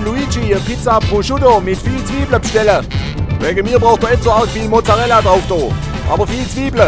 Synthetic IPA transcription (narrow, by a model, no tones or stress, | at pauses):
luid͡ʒiəpɪt͡sapʁuʃudomɪtfiːlt͡sv̥iːbləbʃtɛlə | vɛɡəmiːɐbʁaʊxtd̥oɛtt͡soaltfiːlmot͡saʁɛladʁaʊfd̥oː | ʔa̰ːbɐfiːlt͡sv̥iːblə